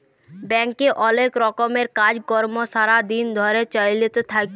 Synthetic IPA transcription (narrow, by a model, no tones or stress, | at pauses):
bɛŋkeʔɔlekɾɔkomeɾkad͡ʑkɔɾmoʃaɾad̪ind̪ʱɔɾet͡ɕajilet̪et̪ʰak